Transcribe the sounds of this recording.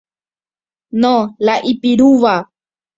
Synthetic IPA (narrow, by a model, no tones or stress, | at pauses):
nolaʔipiɾuʋa